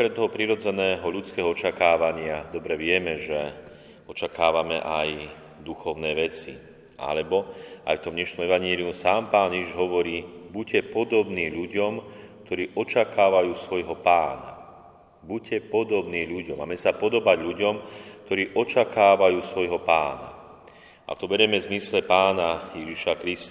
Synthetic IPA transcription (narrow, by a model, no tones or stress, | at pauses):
ɔkɾɛmt̪ɔɦɔpɾiɾɔd͡zɛnɛːɦɔʎut͡skɛːɦɔɔt͡ʃakaːʋaɲɪad̪ɔbɾɛʋɪɛmɛʒɛ | ɔt͡ʃakaːʋamɛ̰ʔaj | d̪uxɔʊnɛːʋɛt͡sḭ | ʔa̰lɛbɔa̰jft̪ɔmɲɛʃnɔmɛʋaɲɪɛliumsaːmpaːnjɛiʒɦɔʋɔɾiːbucːɛpɔd̪ɔbniːʎuɟɔm | k̚t̪ɔɾiːʔɔt͡ʃakʰaːʋajuːsʋɔjɦɔpaːna̰ | bucːɛpɔd̪ɔbniːʎuɟɔma̰ːmɛsapɔd̪ɔbaɟʎuɟɔmk̚t̪ɔɾiːʔɔt͡ʃakaːʋajuːsʋɔjɦɔpaːna̰ | ʔa̰ft̪ɔbɛɾjɛmɛzmislɛpaːnajɛʒiʃakɾist̪